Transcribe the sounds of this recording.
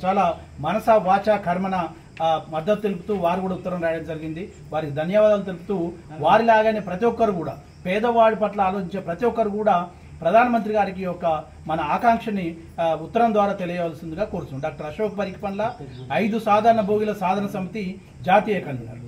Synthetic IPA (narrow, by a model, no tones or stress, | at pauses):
t͡ʃaːlaː | mɐnɐsaːʋaːt͡ʃaːkʰɐɾmɐnɐ | mɐd̪ːɐt̪ːut̪eluput̪uːʋaːɾukuːɽaut̪ːɐɾɐmɾaːjɐɽɐmd͡ʒɐɾiɡind̪i | ʋaːɾikid̪ʱɐnjaʋaːd̪aːlut̪̬elupu̥t̪uːʋaːɾilaːɡaːneːpɾɐt̪ijʋɔkːɐɾukuːɽa̰ː | pɛːd̪ɐʋaːɽipɐʈlɐaːlo̞ːt͡ʃiɲt͡ʃeːpɾɐt̪ijɔkːɐɾukuːɽaː | pɾɐd̪ʱaːnɐmɐnt̪̬ɾiɡaːɾik̬ijɔkːɐ | mɐnɐaːkaːŋkʂɐni | ut̪ːɐɾɐmd̪ʋaːɾaːt̪e̞lijɐʋɐlsind̪uɡaːkoːɾusunɖaːk̚ʈɐɾɐʃoːk̚pɐɾikipɐnlɐɐjd̪usaːd̪ʱaːɾɐɳɐbʱoːɡilɐsaːd̪ʱɐnɐsɐmit̪i | d͡ʒaːt̪iːjɐkɐn